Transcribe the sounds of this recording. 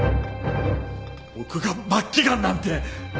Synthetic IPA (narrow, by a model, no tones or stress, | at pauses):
okɯɡamat̚k͈iɡanːant̪ʰe